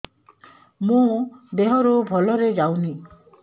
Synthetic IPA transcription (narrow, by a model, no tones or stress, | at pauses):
mũd̪eɦɔɾubʱɔlɔɾed͡ʒawni